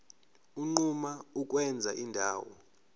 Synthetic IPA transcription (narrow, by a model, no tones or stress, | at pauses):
uŋ͡ǃumauk̬ʼwɛnd͡zʱaʔindʱa̰ːwɔ̰